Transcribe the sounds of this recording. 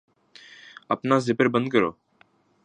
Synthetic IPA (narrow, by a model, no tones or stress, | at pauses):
əpnaːzɪpəɾbə̃nd̪̚kəɾo̰ː